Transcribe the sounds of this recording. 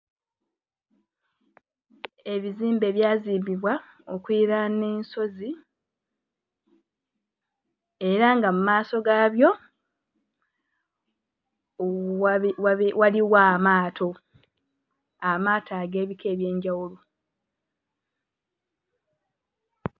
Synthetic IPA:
e̞βiziːmbe̞ːβjaːziːbiβwa | okwiɾaneːnso̞zi | e̞ɾaŋɡamumaːso̞ɡaβjo̞ | waliwaːmaːtʰo̞ | amaːtʰaːɡe̞ːβikʰe̞ːβje̞ːɲɟawulu

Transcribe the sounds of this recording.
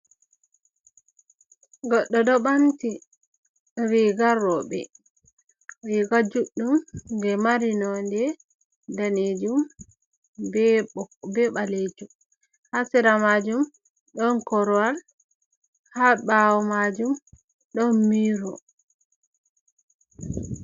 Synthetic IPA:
ɡɔɗːɔdɔbanti | wiɡaɾːɔbɛ̰ | wiɡad͡ʒuɗːumɡɛmaɾinɔndɛ | daned͡ʒum | bɛbɛɓaled͡ʒum | hasɛɾamad͡ʒum | ɗɔnkɔɾwal | habawɔmad͡ʒum | ɗɔnmiːɾɔ

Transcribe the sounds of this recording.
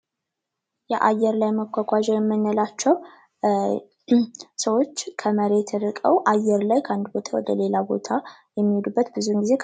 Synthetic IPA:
jɛʔajːɛɾlajməkʷːakʷad͡ʒɛwjɛmːɨnːəlat͡ʃːɛw | səwo̞t͡ʃːkʰəməɾe̞t̪ʰəɾəkʼə̰wʔajːɛɾlajkʰəand̪bo̞t̪ʰawɔ̰d̪əle̞labo̞̰t̪ʰa | jɛmːihod̪ubːət̪bɨzuɨŋɡize̞k

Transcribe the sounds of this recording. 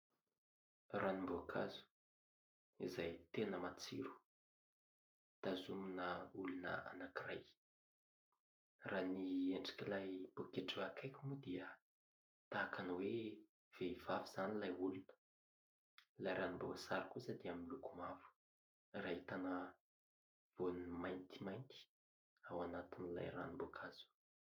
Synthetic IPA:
ranimbuakʰa̰zu̥ | izajt̪enəmat͡siɾu̥ | d̪̥azumunəulunə̰a̰nakiraj | ranieɳɖ͡ʐḁkʲilajb̥okiʈ͡ʂuakʰajkʲumud̪iə | t̪akʰanwe | v̥eivaviz̥anilajulunə̥ | lajɾanimboasaɾakuzad̪iaminlukumavu̥ | rait̪anə | v̥onmajnt̪i̥majnt̪i̥ | awanat̪inila̰jra̰nibokʰazu̥

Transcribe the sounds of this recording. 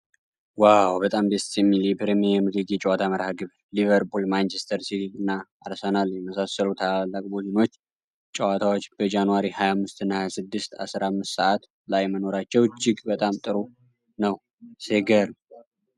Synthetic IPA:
wawbət̪ʼambessjɛmːiljɛpʰɨɾemjɛmɨɡɨɡet͡ʃʼəwat̪ʰaməɾhaɡɨβ | livəɾpulmant͡ʃest̪ʰəɾsit̪iɨnːa | aɾsənaljɛməsasəlut̪ʰalːakʼbolino̞t͡ʃː | t͡ʃʼəwat̪ʰawo̞t͡ʃːb̥əd͡ʒanuwaɾihajamːɨst̪ɨnːahajasɨd̪ːɨst̪a̰sɾamːɨst̪səʔat̪ | lajməno̞ɾat͡ʃːɛwd͡ʒːɪɡbət̪ʼamt̪ʼɨɾo | nəw | se̞ɡəɾ

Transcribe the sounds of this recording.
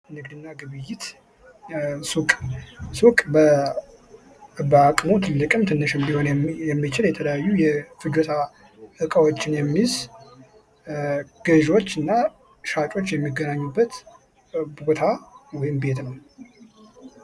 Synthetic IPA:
nɨɡd̪ɨnːaɡɨβɨjːɪt̪ | sukʼsukʼbə | ɨbəakʼmot̪ʰɨlːɨkʼɨmt̪ʰɨnːɨʃɨmliho̞njɛmːit͡ʃɪljɛt̪ʰələjajːujɛfɨd͡ʒot̪ʰa | ɨkʼəwo̞t͡ʃːɪnjɛmːiz | ɡ̥əʒo̞t͡ʃːɨnːa | ʃat͡ʃʼo̞t͡ʃːjɛmːiɡːənaɲːubːət̪ | bot̪ʰawɔjɪmbe̞t̪nəw

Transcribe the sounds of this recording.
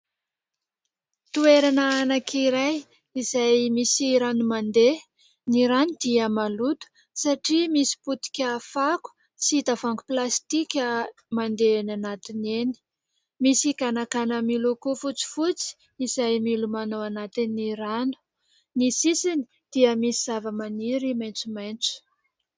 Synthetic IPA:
t̪ueɾanəːnakʰiɾaj | izajmisiɾanumand̪e | niɾanud̪̥iəmalut̪u̥ | saʈ͡ʂimisi̥put̪i̥kʲəfaku̥ | sit̪avaŋɡuplast̪ikʲə | mand̪enanat̪ineni̥ | misikanakanəmilukufut͡si̥fut͡si̥ | izajmilumanowanat̪inniɾanu̥ | nisisini | d̪̥iəmisizavəmaniɾimajnt͡sumajnt͡su̥

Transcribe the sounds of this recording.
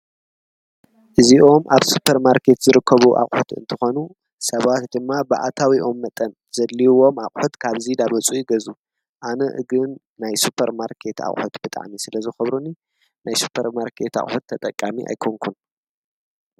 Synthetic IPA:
ʔɨziʔo̞mʔaβsupʰːɐɾmaɾkʰe̞t̪zɨɾɨkʰːɐβuʔa̰χʼħut̪ɨ̰nt̪ʰɨxo̞nu | sɐβat̪d̪ɨmːabaʔa̰t̪ʰawiʔo̞mːɐt̪ʼɐn | z̥ɐd̪liwwo̞maχʼħut̪kʰaβzid̪amɐt͡sʼujɪɡɐzu | ʔanɐʔɨɡɨnːajsupʰːɐɾmaɾkʰe̞t̪ʰa̰χʼħut̪b̥ɨt̪ʼa̰ʕmisɨlɐzɨxɐβɾuni | nʔajsu̥pʰɐɾmaɾkʰe̞t̪a̰χʼħut̪̚ʰːɐt̪ʼɐkʼːamiʔa̰jkʰoŋkʰun

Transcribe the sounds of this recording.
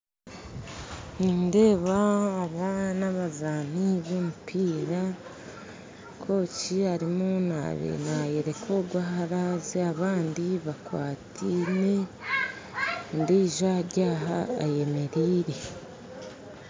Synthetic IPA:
niːnde̞ːβaːβanaβazaːniβomupʰiːɾa | kʰo̞ːciaɾimuna̰βḛnajeɾe̞ko̞ːɡwaːhaɾazeaβaːndiβakwaːtʰini | ndiːʒaɾɟaːɦaːje̞me̞ɾiːɾe̞

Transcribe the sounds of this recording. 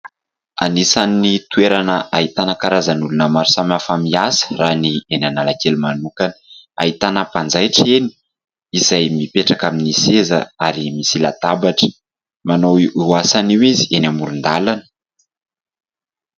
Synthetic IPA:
a̰nisanːit̪ueɾanəʔait̪anəkaɾazanulunəmaɾusamafamiasə̥ranienanalakelumanukani̥a̰it̪anəpand͡zajʈ͡ʂeni̥ | izajmipeʈ͡ʂakaminisezəaɾimisila̰t̪abaʈ͡ʂə̥ | manowʔiwasaniwizienamuɾund̪alanə̥

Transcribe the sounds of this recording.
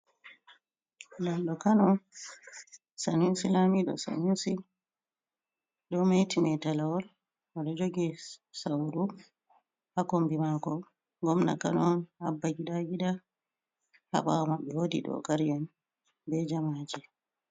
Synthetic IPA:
lanɗɔkanɔ | sanusilamiɗɔ̰sa̰nusi | ɗɔmejtimɛtalawɔl | ʔɔɗɔd͡ʒoɡɛsawɾu | hakombimakɔ | ɡɔmna̰kanɔnhabːaɡiɗaɡiɗa | ha̰ɓa̰wmaɓːɛwodḭɗɔ̰ɡaɾjɔm | bɛd͡ʒamad͡ʒɛ

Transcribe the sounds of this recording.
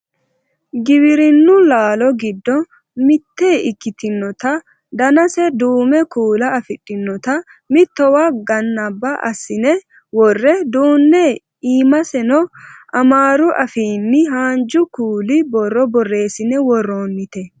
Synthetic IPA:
ɡɪbɪɾɪnːʊlaːlɔɡɪd̪ːɔ | mɪt̪ːeːɪkːɪt̪ɪnːɔt̪ɐ | d̪ɐnɐsɛd̪uːmɛkuːlɐɐfɪɗʼːɪnːɔt̪ɐ | mɪt̪ːɔwaɡɐnːɐbːɐʔɐ̰sːɪnɛ | wɔrːɛd̪uːnːɛ | iːmɐsɛnɔʔɐmaːɾʊʔɐfiːnːɪɦaːnd͡ʒʊkuːlɪbɔrːɔbɔrːe̞ːsɪnɛwɔrːoːnːɪt̪ɛ

